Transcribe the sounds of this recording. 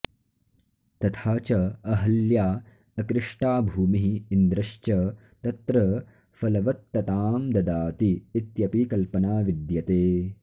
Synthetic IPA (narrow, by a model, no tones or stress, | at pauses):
t̪ɐt̪ʰaːt͡ʃɐɐɦɐljaː | ɐkɾɪʂʈaːbʱuːmiɦiːnd̪ɾɐʃt͡ʃɐ | t̪ɐt̪ɾɐ | fɐlɐʋɐt̪ːɐt̪aːmd̪ɐd̪aːt̪iːt̪jɐpikɐlpɐnaːʋid̪jɐt̪eː